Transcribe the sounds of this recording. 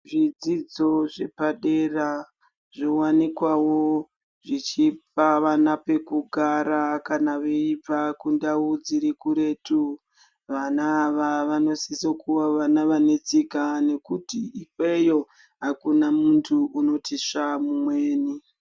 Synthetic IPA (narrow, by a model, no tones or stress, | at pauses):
ʐid͡zid͡zo̞ʐe̞paɗera | ʐiwanikwawo̞ | ʐit͡ʃip̚aʋanape̞kuɡʱaɾakanaʋeipakundaud͡ziɾikuɾe̞ːtʰu | ʋanaːʋaʋano̞sisokuwaʋanaʋane̞t͡sikane̞kutiikwe̞jo̞ | ɦakunamuntʰuuno̞tʰiʂamumweːni